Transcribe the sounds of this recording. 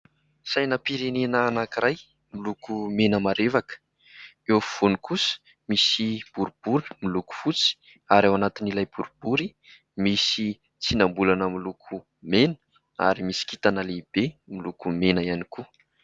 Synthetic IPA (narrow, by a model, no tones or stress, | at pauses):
sajnəpiɾenenəːnakiɾaj | milukumenəmaɾevakə̥ | efv̥onikʰusə̥ | misib̥uɾub̥uɾ̥miluku̥fut͡si̥ | aɾawanat̪inilajb̥uɾubuɾi | misi | t͡sinambulanəmilukʰu | menə̥ | a̰ɾimisi̥kit̪anəleib̥emilukumenəianiku